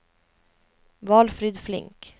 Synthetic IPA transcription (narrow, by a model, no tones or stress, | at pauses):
vɑːlfɾid̪flɪ̰ŋk